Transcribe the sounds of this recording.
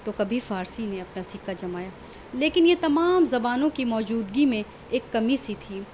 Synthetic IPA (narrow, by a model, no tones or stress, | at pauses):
t̪okɐbʱifaːɾsineɐpnasikad͡ʒɐmaːjaː | leːkɪnjet̪ɐmaːmzɐbaːnõkimɔːd͡ʒuːd̪ɡimẽ | eːkːɐmisit̪ʰiː